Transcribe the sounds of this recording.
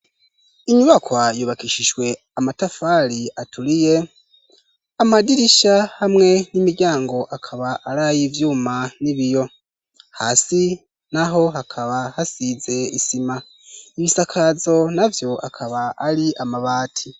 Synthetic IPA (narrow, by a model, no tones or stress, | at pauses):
iɲuβakʰwajuβakiʃiʒwe̞ | amatafaɾiatʰuɾije̞ | amadiɾiʃahamŋe̞nimiɾɟaːŋɡo̞ʔakʰaβaʔaɾaːjivjuːmaniβijo̞ | ha̰ːsi | naɦo̞ɦakʰaβahasize̞isima | iβisakʰazo̞navjo̞a̰kʰaβaːɾiʔamaβaːtʰi